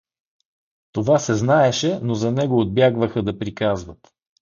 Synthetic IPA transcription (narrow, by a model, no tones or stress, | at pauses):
t̪ovasɛznaɛʃɛnozɐnɛɡoːd̪̚bjaɡvəxəd̪ɐpɾikazvət̪